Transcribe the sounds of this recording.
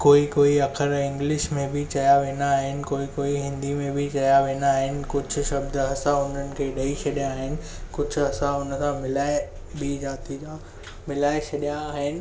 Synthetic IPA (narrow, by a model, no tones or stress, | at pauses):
koːikoːiɐkʰɪɾɪ̃ŋɡlɪʃmẽbɪt͡ɕɐjaʋeːnaːɦɪnɪ̆koːikoːiɦɪ̃nd̪imẽbʱɪt͡ɕɐjaʋeːnaːɦɪnɪ̆kʊd͡ʑʱʊ̆ʃɐbd̪ɐsãʊn̤ənɪ̆kʰeːɗɐiʃʰɐɗijaːɦɪnɪ̆ | kʊd͡ʑʱʊ̆ɐsãʊnəsãmɪlaːe | bid͡ʑaːt̪id͡ʑaː | mɪlaːesʰɐɗijaːɦɪnɪ̆